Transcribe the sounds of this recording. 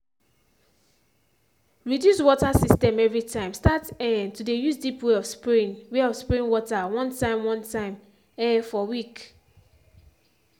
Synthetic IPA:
ɹidjuswɔtasistɛ̃mɛvɹitʰãɪ̃mstatɛ̃ntudejusdipweɔfspɹĩnweɔfspɹĩnwɔtawʌ̃ntãɪ̃mwʌ̃ntãɪ̃m | ɛ̃nfɔwik

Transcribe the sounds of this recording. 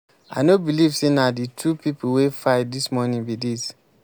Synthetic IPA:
a̰ɪnobilivsenaditʰupipuwefaɪdismɔnĩnbidis

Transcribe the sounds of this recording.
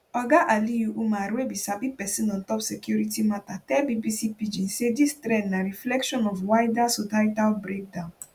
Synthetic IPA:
ɔɡaʔalijuʔumaɾebisabipɛsinɔ̃n̩tɔpsekjuɾitimatatɛbibisipid͡ʒin̩sedistɾɛ̃dnaɾiflɛkʃɔnɔfwajdasɔtaitalbɾek̚dãʊ̃n

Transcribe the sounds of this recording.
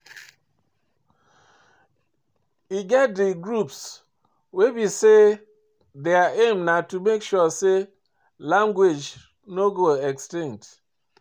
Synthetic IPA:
iɡɛt̚deɡɾups | webise | deaʔemnatumekʃuɔse | lãŋɡwed͡ʒ | noɡoɛkstĩŋt

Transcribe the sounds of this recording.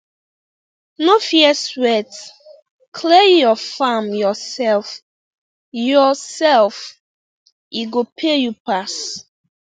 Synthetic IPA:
nofiɛswɛt | kʰlejɔfamjɔsɛlf | jɔsɛlf | iɡopʰejupas

